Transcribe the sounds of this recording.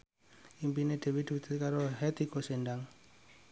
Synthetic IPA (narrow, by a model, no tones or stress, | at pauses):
impined̥ewidut̪ɛkaɾoɦɛt̪ikosɛndaŋ